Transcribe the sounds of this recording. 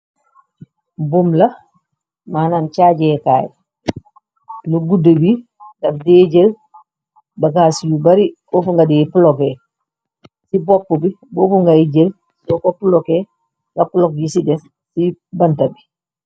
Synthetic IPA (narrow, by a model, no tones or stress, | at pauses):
bumlɐ | maːnant͡ʃaɟɛkaːj | luɡudəbi | dɐfdɛɟel | bɐɡaːsijubaɾibofuŋɡadipulɔkɛ | sibɔkːubiboːfuŋɡaiɟel | sɔkopulɔkɛ | ŋɡɐpulɔk̚jisidɛs | sibɐntabi